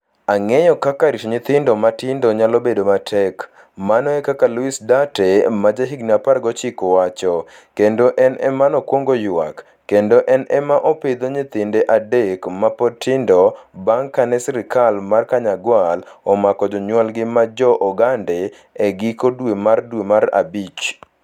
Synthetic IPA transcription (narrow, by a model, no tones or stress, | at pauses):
aŋɛjɔkakaɾiʃoɲɪt̪ɪndɔmatɪndoɲalɔbedomatʰɛk | manɔɛkakaluisdatemad͡ʒaɦiɡniaparɡɔt͡ʃikɔwat͡ʃɔ | kendoʔɛnɛmanɔkwoŋɡoja̰kː | endoʔɛnɛmaʔɔped̪oɲɪt̪ɪndeʔadekmapɔtʰɪndɔbaŋkanɛsɾɪkalmarkaɲaɡwalɔmakɔd͡ʒɔɲwalɡɪmad͡ʒɔʔɔɡande | ɛɡikodwemardwemaɾa̰bit͡ʃ